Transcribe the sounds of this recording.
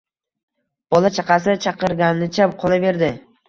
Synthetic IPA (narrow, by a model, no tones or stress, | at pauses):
b̥ɒlˠat͡ʃʰɑqɑsɪt͡ʃʰɑqɨɾɡʲannɪt͡ʃʰap̚qʰɒlˠave̞ɾd̪ɪ